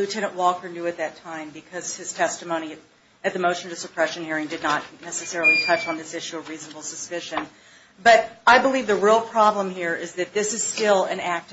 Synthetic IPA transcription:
lʉtʰɛñə̃nʔwɔkə˞njʉɨt̪̚ðɨtʰãɪ̃mbɨkʰʌz̥ɨz̥tʰɛstɨmõʊ̃ɾ̃i | ɨt̪̚ðɨmoʊʃnʌɨsəpʰɹ̥ɛʃɨ̃n̩hiɹɪ̃ŋdɨdⁿnətⁿnɛsɨsɛɹl̩ˠitʰʌt͡ʃn̩ðɪsɪʃʉʌvɹiznəbl̩ˠsəspɪʃɨ̃n | bʌɾaɪbəlivðəɹilˠpʰɹ̥ɑblə̃mhiɹɪzðɨt̪̚ðɪsɨz̥stɪlˠɨ̃næk̚t

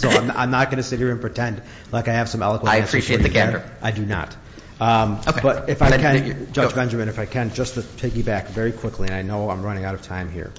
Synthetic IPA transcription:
soʊãɪ̃mã̰ɪ̃mnət̚ɡ̥ʌnɨsɪt̚hiɹɨ̃npʰɹ̥ɨtʰɛ̃nd | laɪkaɪɨv̥sʌ̃mɛ̰lˠəkwə̃aɪɨ̃pʰɹ̥iietðɨkʰæɛ˞ə̰˞ʔaɪdɨnə̰t | ʌ̃okb̥ʌɾɨfaɪkɨ̥̃d͡ʒʌd͡ʒbɛ̃nd͡ʒə˞mɨ̃nɨfaɪkʰɨ̃nd͡ʒʌstɨpʰɪɡibækvɛɹikʰw̥ɪkʰliɨ̃naɪnoʊãɪ̃mɹʌñɪ̃ŋaʊɾʌv̥tʰãɪ̃mhḭɹ

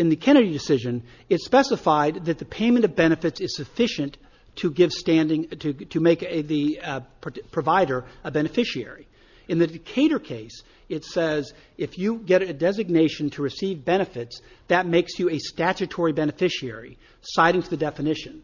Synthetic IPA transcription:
ɨ̃nðɨkʰɛɾ̃ɨɾidɨsɪʒɨ̃n | ɨtspɛsəfaɪd̪̚ðɨt̪̚ðɨpʰẽɪ̃mɨ̃ñʌvbɛñɨfɨtsɨz̥sɨfɪʃɨ̃n | tʰɨɡɪv̥stæ̃ndɪ̃ŋtʰɨtʰɨmeɪkðɨ | pʰɹ̥ɨvaɪɾə˞ɨbɛnɨfɪʃiɛ̰ɹi | ɨ̃nðɨdɨkʰeɪɾə˞kʰeɪs | ɨtsɛz | ɨfjɨɡɛɾɨdɛzɨɡ̚neɪʃɨ̃n̩tʰɨɹɨsivbɛñɨfɨtsðɨt̚meɪksjɨɨstæt͡ʃɨtʰɔɹibɛnɨfɪʃiɛ̰ɹḭ | saɪɾɪ̃ŋtʰɨðɨdɛfɨnɪʃɨ̃n

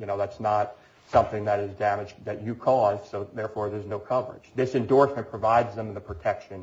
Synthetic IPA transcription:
jɨnoʊðætsnət̚ | sʌ̃mθɪ̃ŋðɨɾɨzdæmɨd͡ʒðɨt͡ʃɨkʰɔzsoʊðɛɹfɔɹðə˞znoʊkʰʌvə̰˞ɪ̰̥d͡ʒ̥ðɪsɨ̃ndɔɹsmɨ̃npʰɹ̥ɨvaɪdzðə̃mɨnðəpʰɹ̥ɨtʰɛkʃɨ̃n

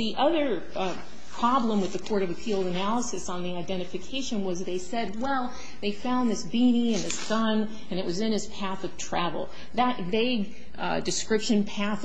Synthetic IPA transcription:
ðiʔʌðə˞ | pʰɹ̥ɑblə̃mwɨðɨkʰɔɹɾʌvɨpʰilˠdɨnælˠəsɨsn̩ðiaɪdɛ̃ɾ̃ɨfɨkʰeɪʃɨ̃nwʌzðeɪsɛd̚wɛlˠ | ðeɪfãʊ̃nðɪsb̥ĩniɨ̃nðɪsɡ̥ʌ̃n | ɨ̃nɨʔ̚wʌzɨ̃nɨtspʰæθʌv̥tʰɹ̥ævl̩ˠ | ðətveɪɡ̚ | dɨskɹɪpʃɨ̃npʰæθ

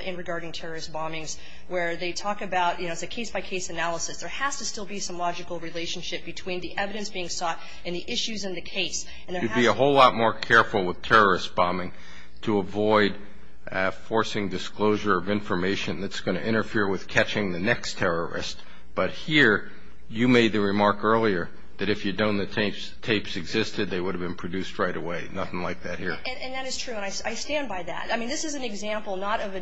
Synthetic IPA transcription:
ʔɪ̃nɹɨɡɑɹɾɪ̃ŋtʰɛɹə˞ɨsb̥ɑ̃mɪ̃ŋz | wə˞ðeɪtʰɔkɨbaʊtjɨnoʊɨsɨkʰeɪsb̥aɪkʰeɪsɨnælˠəsɨsðə˞hæstɨstɪlˠbisʌ̃mlɑd͡ʒɨkl̩ˠɹileɪʃn̩ʃɪp̚b̥ɨtʰw̥ĩnðiʔɛvɨɾɨ̃nsb̥iɪ̃ŋsɔɾ | ɨ̃nðiʔɪʃʉzɨ̃nðɨkʰeɪs | ɨ̃n̩ðə˞ɨd̚biəɦoʊlɔt̚mɔɹkʰɛɹfl̩ˠwəð̥tʰɛɹə˞ɨsb̥ɑ̃mɪ̃ŋ | tʰəəvɔɪd | fɔɹsɪ̃ŋdɨskloʊʒə˞ʌvɪ̃ɱfə˞meɪʃɨ̃nðɨtsɡ̥ʌñɨ̰ʔɪ̃ɾ̃ə˞fɪɹwɨð̥kʰæt͡ʃɪ̃ŋðɨnɛkstʰɛɹə˞ɨ̰st | b̥ʌt̚hiɹ | jɨmeɪd̪̚ðɨɹɨmɑɹkɜ˞lˠiə˞ | ðɨɾɨfjɨdⁿõʊ̃nðɨtʰeɪpstʰeɪpsɨɡzɪstɨd̪̚ðeɪwʊɾɨvbɨ̃npʰɹ̥ɨdʉst̚ɹaɪɾəweɪnʌθɪ̃ŋlaɪk̚ðɨt̚hiɹɨ̃ɨ̃nðæɾɨz̥tʰɹ̥ʉə̃naɪsaɪstæ̃nbaɪðæ̰taɪmĩnðɪsɨzn̩ɨɡzæ̃mpl̩ˠnəɾʌvɨ

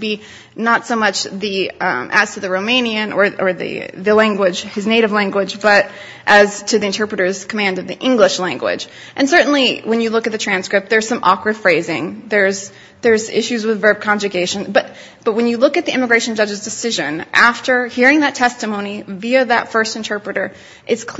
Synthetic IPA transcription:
bi | nətsoʊmʌt͡ʃðimʔɨ̰z̥tʰɨðɨɹoʊmẽɪ̃niɨ̃nə˞ə˞ðɨ̰ðɨlæ̃ŋɡwɪd͡ʒ̥ɨzneɪɾɨvlæ̃ŋɡwɪd͡ʒbʌɾ | ʔɨz̥tʰɨðiɨ̃ntʰɜ˞pɹɨɾə˞z̥kʰəmæ̃ndɨvðiʔɪ̃ŋɡlɪʃlæ̃ŋɡwɪ̰d͡ʒ | ʔɨ̃nsɜ˞ʔn̩liwɨ̃njɨlʊkɨt̪̚ðɨtʰɹ̥æ̃nskɹɨp̚t̪̚ðə˞z̥sʌ̃mʔɑkwɨd̥fɹeɪzɪ̃ŋðə˞z | ðə˞zɪ̰ʃʉzwɨðvɜ˞b̚kʰɑ̃nd͡ʒɨɡeɪʃɨ̃nb̥ʌt̚ | b̥ʌt̚wɨ̃njɨlʊkɨt̪̚ðiɪ̃mɨɡɹeɪʃn̩d͡ʒʌd͡ʒɨzdɨsɪʒɨ̃nʔæftə˞hiɹɪ̃ŋðɨtʰɛstɨmõʊ̃ñiviɨðə̰tfɜ˞stɨ̃ntʰɜ˞pɹɨɾə˞ | ʔɨtskʰ

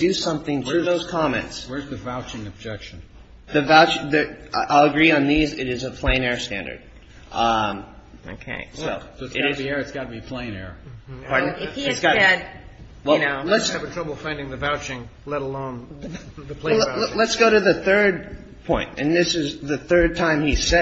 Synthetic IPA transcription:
d̥ɨsʌ̃mθɪ̃ŋtɨðoʊz̥kʰɑmɛ̰̃ntswə˞zðɨvaʊt͡ʃɪ̃ŋɨb̚d͡ʒɛkʃɨ̃n̩ | ðɨvaʊt͡ʃðɨʔaɪlˠəɡɹiɨ̃nðizɪɾɨzəpʰl̥ẽɪ̃nɛɹstæ̰̃ndə̰˞d̥̚ | ʔʌ̃mo̰ʊkʰḛɪsoʊsosɨɾɨiɛɹɨtsɡ̥ɑɾbiɨpʰl̥ẽɪ̃nɛ̰ɹpʰɑɹdⁿn̩ɪfhiɡɑɛd̚ | wɛlnoʊlləsɨvɨtʰɹ̥ʌbl̩ˠfãɪ̃ndɪ̃ŋðɨvaʊt͡ʃɪ̃ŋ | lɛɾəlõʊ̃nðɨlẽlətsɡ̥oʊɾɨðɨθɜ˞d̚ | pʰɔ̃ɪ̃ntɨ̰̃nðɪsɨzðɨθɜ˞d̚tʰãɪ̃misɛ

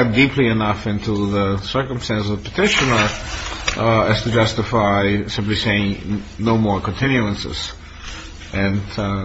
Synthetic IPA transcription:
dipʰliɨnʌfɪ̃ntuðəsɜ˞kə̃m̩stæ̃nszʌpʰətʰɪʃɨnə˞ | ɨz̥tʰɨd͡ʒʌstɨfaɪsɪ̃mpliseɪɪ̃ŋ | noʊmɔɹkə̃n̩tʰɪ̃njuə̃nsɨ̰z̥ | ʔɨ̃n

